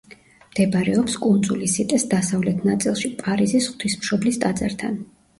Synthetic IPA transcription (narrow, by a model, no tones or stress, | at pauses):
md̪̥ɛbɾɛɔpskʼund̪zulisit̪ʼɛsd̪asavlɛt̪ʰnat̪sʼilˠʃipʼaɾizisχwt̪ʰismʃɔblist̪ʼad̪zaɾt̪ʰa̰n